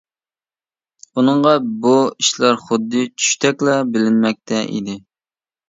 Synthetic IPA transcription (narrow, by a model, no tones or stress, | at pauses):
unəŋʁɑbuiʃlɑɾχʊd̪ːɨt͡ʃʰy̥ʃt̪ʰɛkʲlˠɑbɪlɪnmɛk̚ʲt̪ʰɛʔḭd̪ɪ